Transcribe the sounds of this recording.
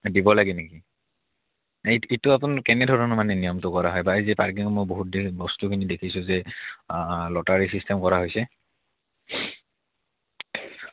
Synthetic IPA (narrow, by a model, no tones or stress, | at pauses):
dibɔlaɡɛneki | eitʊapʊnakɛnɛdʱɔɹɔnɔmanɛnijɔmtʊkɔɹaɦɔjbaizɛpaɹk̬iŋɔmojboɦut̚dibɔstukʰinidekʰisʊ̃zɛ | lɔtaɹisistʰɛmkɔɹaɦojsɛ